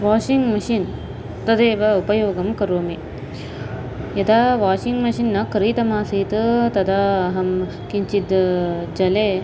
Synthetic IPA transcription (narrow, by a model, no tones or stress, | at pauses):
ʋaːʂiŋɡmɐʃin | t̪ɐd̪eːʋɐupɐjoːɡɐmkɐɾoːme | jɐd̪aʋaːʂiŋɡmɐʃinːɐkɐɾiːt̪ɐmaːsit̪ɨt̪ɐd̪ɐɦɐm | kiɲt͡ʃid̪d͡ʒɐleː